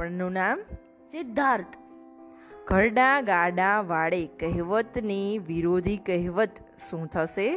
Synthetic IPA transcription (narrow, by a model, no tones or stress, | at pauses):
pəɳnũnam | sɪd̪ʱːaɾt̪ | ɡ̥ʱəɾɖãɡaɖãʋaɭekəɦʋət̪niʋiɾod̪ʱikəɦʋət̪ | ʃũt̪ʰəʃe